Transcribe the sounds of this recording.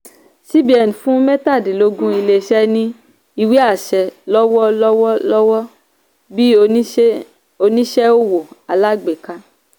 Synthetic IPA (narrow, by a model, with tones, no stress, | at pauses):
si˦bi˨ɛ˨n˨fũ˦mɛ˦ta˦˨di˨lo˧˦ɡũ˦i˧le˧˨ʃɛ˧nĩ˧ | i˧wi˦a˦˨ʃɛ˧lɔ˦wɔ˦lɔ˦wɔ˦lɔ˦wɔ˦ | bi˦˧˦ | o˧nĩ˦ʃɛ˦o˦wo˨a˨la˦ɡ͡be˨ka˧